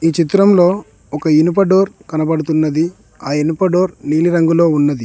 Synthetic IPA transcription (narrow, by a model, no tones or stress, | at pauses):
iːt͡ʃit̪ɾɐmlo̞ː | ɔkɐinupɐɖoːɾkɐnɐbɐɽut̪unːɐd̪i | aːinupɐɖo̞ːɾniːliɾɐŋɡulo̞ːunːɐd̪i